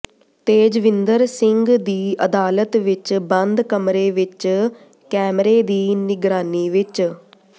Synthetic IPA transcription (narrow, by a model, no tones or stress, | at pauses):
t̪eːd͡ʒʋɪnd̪əɾsɪŋɡd̪iːəd̪aːlət̪ʋɪt͡ʃbənd̪kəmɾeːʋɪt͡ʃ | kɛːmɾeːd̪iːnɪɡɾaːniːʋɪt͡ʃ